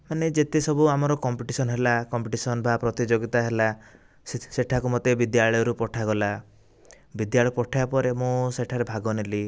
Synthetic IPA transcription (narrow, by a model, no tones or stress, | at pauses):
maned͡ʒet̪esɔbuamɔɾɔkɔmpiʈisɔnɦelakɔmpiʈisɔnbʱapɾɔt̪id͡ʒoɡit̪aɦela | sseʈʰakumot̪ebid̪jaɭɭɔjɔɾupɔʈʰaɡɔla | bid̪jaɭɔpɔʈʰajapɔɾemũseʈʰaɾebʱaɡɔnili